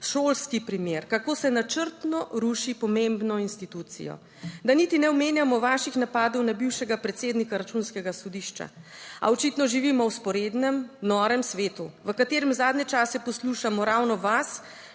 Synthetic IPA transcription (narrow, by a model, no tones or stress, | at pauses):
ʃoːlskipɾimjeːɾkakoːsɛnat͡ʃəɾt̪nɔɾuʃipɔmembnɔinst̪it̪uːt̪sḭjɔ̰ | d̪anit̪inɛɔmeːnjamɔʋaːʃixnapaːd̪ɔwnabiwʃɛɡapɾɛt̪seːd̪nikaɾat͡ʃunskɛɡasɔd̪iʃt͡ʃa̰a̰ɔt͡ʃit̪nɔʒiʋiːmɔwspɔɾed̪nɛmnɔːɾɛmsʋeːt̪uʋəkat̪eːɾɛmzaːd̪nɛt͡ʃasɛpɔsluʃamɔɾawnɔʋas